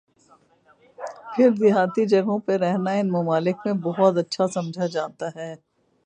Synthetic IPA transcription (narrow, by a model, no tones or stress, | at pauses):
pʰɪɾd̪ɪɦaːt̪id͡ʒɐɡõpeɾɛɦnaɪnmʊmaːlɪkmẽbɔɦɔt̪ɐtːʃʰasɐ̃md͡ʒʱad͡ʒaːt̪aɦɛː